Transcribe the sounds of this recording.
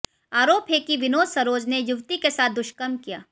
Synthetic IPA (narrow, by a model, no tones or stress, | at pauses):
aːɾoːpɦeːkiʋɪnoːd̪sɐɾoːd͡ʒnejʊʋt̪ikesaːt̪̚ʰd̪ʊʃkəmkija̰ː